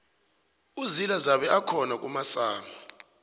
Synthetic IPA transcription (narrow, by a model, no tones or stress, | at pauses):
uzilazaɓɛʔakʰɔnak̬ʼumasaːma